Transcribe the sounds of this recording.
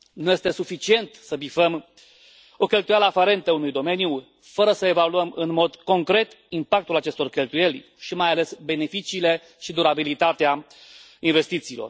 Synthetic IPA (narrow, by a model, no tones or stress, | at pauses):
nuje̞st̪e̞sufit͡ʃie̞nt̪səbifəm | o̞kʲe̞lt̪ujaləafaɾe̞nt̪əunujd̪o̞me̞nju | fəɾəsəe̞valuəmɨnmo̞d̪ko̞ŋkɾe̞t̪ | impak̚t̪ulat͡ʃe̞st̪o̞rkʲe̞lt̪uje̞lʲ | ʃimajale̞sbe̞ne̞fit͡ʃiːle̞ | ʃid̪uɾabilit̪at̪ea | inve̞st̪it̪siːlor